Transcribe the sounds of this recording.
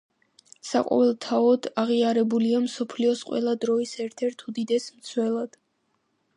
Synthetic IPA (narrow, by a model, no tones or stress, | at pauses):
sa̰qʼɔ̰vɛlˠt̪ʰaɔd̪aʁiaɾɛbuliamsɔpʰliɔsqʼwɛ̰lˠad̪ɾɔisɛɾt̪ʰɛɾt̪ʰud̪id̪ɛsmt̪sʰwɛlˠad̪̥